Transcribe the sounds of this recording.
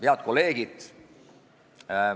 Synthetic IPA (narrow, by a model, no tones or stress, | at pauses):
peɑt̪̚ko̞le̞ːɡ̥id̪